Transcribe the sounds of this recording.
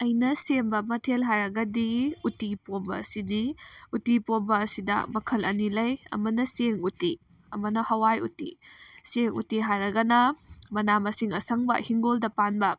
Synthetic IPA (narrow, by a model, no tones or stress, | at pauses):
ɐjnɐsembɐmɐtʰelɦaɾɐɡɐdiutipobɐːsiniutipobɐːsidɐ̰mɐkʰɐlɐ̰nilɐjɐ̰mɐnɐseŋuti | ɐmɐnɐhɐwajṵtḭseŋṵtiɦaɾɐɡɐnɐmɐnamɐsiŋɐ̰sɐŋbɐ̰hiŋɡoldɐpanbɐ